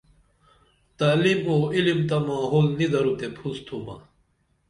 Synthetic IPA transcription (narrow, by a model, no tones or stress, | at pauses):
t̪aːlimoːilimt̪ɐmaːɦoːlnid̪ɐɾut̪epʰust̪ʰuma̰